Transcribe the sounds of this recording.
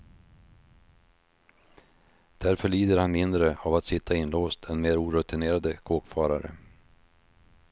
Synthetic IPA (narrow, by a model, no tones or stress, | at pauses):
d̪̥æɾfœɭiːd̪əɾhanmɪnd̪ɾəavat̪sɪt̪ʰːaɪnloːst̪ʰɛnmeːɾuːɾɵt̪ɪneːɾad̪əkʰoːkfɑːɾaɾə̰